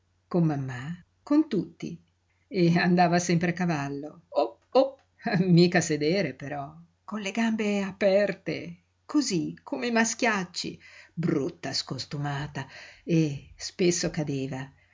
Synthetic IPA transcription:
komːamːa | kont̪ut̪ːḭ | eand̪aːvasɛmpɾeakːavalːoo | op | miːkased̪eːɾepeɾɔ | konleɡambeapɛrt̪ḛ | kʰozikʰomemask̟jat͡ʃːḭbrɾut̪ːaskost̪umaːt̪aespesːokad̪eːva

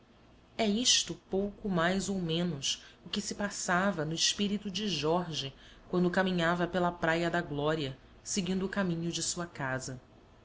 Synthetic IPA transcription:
ɛiʃt̪ʊpowkʊmajzowmẽnʊsʊkɪsɪpasavɐnʊɪʃpiɾit̪ʊd͡ʒɪʒɔɾʒɪ | kwɐ̃nd̪ʊkamĩɲavɐpelɐpɾajɐd̪ɐɡlɔɾiɐ | seɡĩnd̪ʊːkamĩɲʊd͡ʒɪsuɐkazɐ

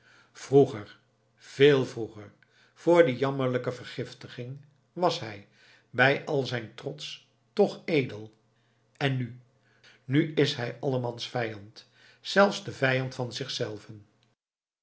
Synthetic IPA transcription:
v̥ruχəɹ | v̥eːlˠvruχəɹ | v̥ʊːɹdijɑməɹləkəvəɹχɪftəχɪŋ | ʋɑsɦɛj | bɛjʔɑlˠzɛjntrɔts | tɔχejdəlˠ | ɛnːy | nyɪsɦɛjɑləmɑnsfɛjɑnt | zɛlˠfzdəvɛjɑntfɑnzɪχsɛlˠvən

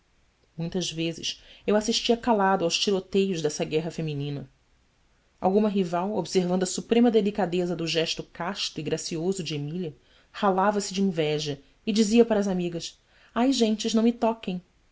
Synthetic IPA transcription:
mũj̃t̪ɐzvezɪ̰ʃewasiʃt͡ʃiɐkalad̪ʊawʃt͡ʃiɾot̪ejʊʒd̪ɛsɐɡɛɦɐfemĩnĩnɐ | a̰wɡũmɐɦivawobseɾvɐ̃nd̪ʊɐsupɾẽmɐd̪elikad̪ezɐd̪ʊʒɛʃt̪ʊkaʃt̪ʊiɡɾasiozʊd͡ʒɪemiliɐ | halavɐsɪd͡ʒɪĩvɛʒɐ | ɪd͡ʒiziɐpaɾɐːzamiɡɐs | ajʒẽnt͡ʃɪʒnɐ̃w̃mɪt̪ɔkẽj̃

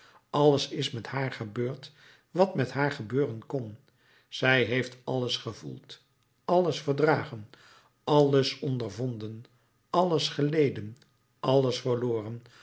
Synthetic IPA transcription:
ʔɑləsɪsmɛthaːɹχəbøːɹt | ʋɑtmɛtɦaːɹχəbøːrənkɔn | sɛjɦejftɑlˠəsχəvṵlˠt | ɑləsfəɹdraːχən | ɑləsɔndəɹvɔndən | ɑləsχəlejdən | ʔɑlˠəsfəɹloːrən

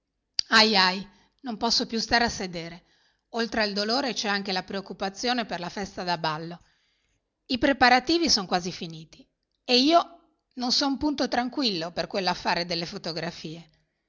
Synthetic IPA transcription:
ajaj | nompɔsːopjust̪aːɾeasːed̪eːɾe | olt̪ɾeaild̪oloːɾet͡ʃɛaŋk̟elapɾeokːupat̪sːjoːneperlafɛst̪ad̪abalːo | ipɾepaɾat̪iːvisoŋkwaːzifiniːt̪i | eiːo | nonsɔumpunt̪ot̪ɾaŋkwilːoperkwelːoafːaːɾed̪elːefot̪oɡɾafiːe

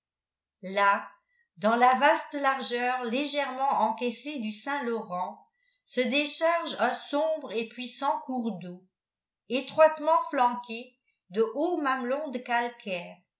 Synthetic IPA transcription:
la | d̪ɑ̃lavast̪laʁʒœːʁleʒɛʁmɑ̃ʔɑ̃kɛsed̪ysɛ̃lɔʁɑ̃ | səd̪eʃaʁʒɛ̃sɔ̃bʁepɥisɑ̃kuʁd̪o | et̪χwat̪mɑ̃flɑ̃ke | d̪əʔomamlɔ̃d̪əkalkʰɛːʁ

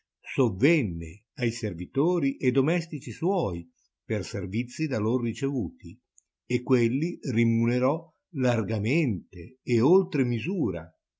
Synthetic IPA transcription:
sovːɛnːḛ | ajservit̪oːɾiʔed̪omɛst̪it͡ʃiswɔːj | perservit̪sːid̪aloɾrit͡ʃevuːt̪i | ekːwelːirimuneɾɔ | larɡament̪eːolt̪ɾemizuːɾa̰

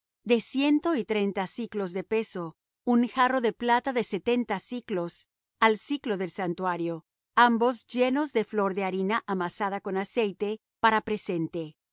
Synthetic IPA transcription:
d̪e̞sje̞nt̪o̞it̪ɾe̞jnt̪asiklo̞zðe̞pe̞so̞ | unxaro̞ðe̞plat̪aðe̞set̪e̞nt̪asiklo̞s | alsiklo̞ðe̞lsant̪waɾjo̞ | ambo̞zd͡ʒe̞no̞zðe̞flo̞ɾðeaɾinaʔamasað̞ako̞nase̞jt̪e̞ | paɾapɾe̞se̞nt̪e̞

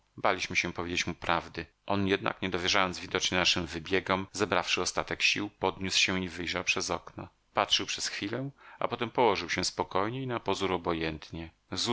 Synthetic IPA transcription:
balʲiɕmɘɕɛ̃pɔvʲjed͡ʑet͡ɕmupɾavd̪ɘ | ʔɔnjɛd̪na̰kɲɛd̪ɔvʲjɛʐajɔnzvʲid̪ɔt͡ʂɲɛnaʂɘmvɘbʲjɛɡɔmzɛbɾafʂɘɔst̪at̪ɛkɕiwpɔd̪ɲuswɕɛ̃ivɘjʐawpʂɛzɔknɔ | patʂɘwpʂɛsxfʲilɛa̰pɔt̪ɛmpɔwɔʐɘwɕɛspɔkɔjɲɛinapɔzuɾɔbɔjɛnt̪ɲɛ | z

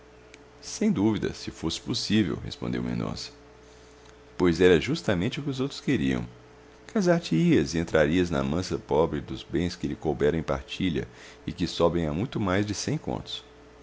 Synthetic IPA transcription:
sẽj̃d̪uvid̪ɐ̰sɪfosɪ̥posivḛwhḛspõnd̪ḛwmḭ̃nõ̰sɐ̥ | pojzɛɾɐʒust̪ɐmẽt͡ʃɪʊkɪʊzowt̪ɾʊ̥skeɾiɐ̰̃w̃ | kazaɾt͡ʃɪiɐzɪẽnt̪ɾʔaɾiɐznɐ̰mɐ̃sɐpɔbɾɪd̪ʊzbẽj̃skɪlɪkowbɛɾɐ̃ẽj̃paɾt͡ʃiʎɐ̰ | ɪkɪsɔbẽj̃amũj̃t̪ʊmajzd͡ʒɪsẽj̃kõ̰nt̪ʊ̥s

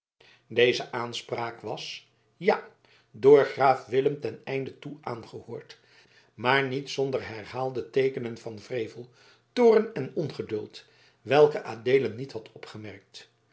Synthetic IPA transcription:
dejzəʔaːnspraːkʋɑs | ja | doːɹχraːfʋɪləmtɛnɛjndətuʔaːnχəhʊːɹt | maːɹnitsɔndərɦɛɹhaːlˠdətejkənənvɑnvrejvəlˠ | toːrənɛnɔnχədɵlˠt | ʋɛlˠkəʔaːdeːlənːithɑtʰɔpχəmɛɹk̚t

